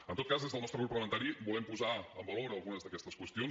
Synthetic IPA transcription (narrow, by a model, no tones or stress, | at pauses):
ənt̪ot̪̚kazðezðəlˠnɔst̪ɾəpuɾpləmənt̪aɾibulɛmpuzaə̰mbəloɾəlˠɣunəzðəkɛst̪əskwəst̪ion